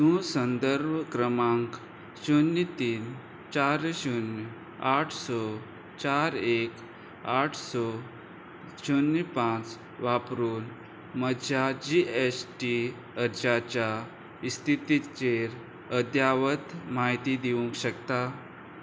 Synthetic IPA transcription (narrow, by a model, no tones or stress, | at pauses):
sũsənd̪əɾbʱkɾəmãŋk | ɕonːit̪iːn | t͡ɕaɾɕun | aʈʰsɔ | t͡ɕaɾek | aʈʰsɔ | ɕonːpãt͡s | ʋapɾuːn | məjad͡ʑiesʈi | əɾd͡ʑat͡ɕja | ist̪ʰit̪it͡ɕeɾ | əd̪jaʋət̪maɦit̪id̪iʋũŋkɕəkt̪a